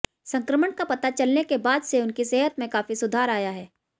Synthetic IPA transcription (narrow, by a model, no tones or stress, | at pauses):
sɐ̃ŋkɾəməɳkapɐt̪at͡ʃɐlnekebaːd̪seʊnkiseːɦət̪mẽkaːfisʊd̪ʱaːɾaːjaɦɛː